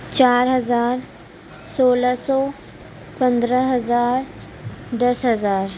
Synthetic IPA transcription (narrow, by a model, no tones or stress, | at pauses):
t͡ɕaɾɦəd͡zaɾ | soləsɔ | pənd̪ɾəɦəd͡zaɾ | d̪əsɦəd͡zaɾ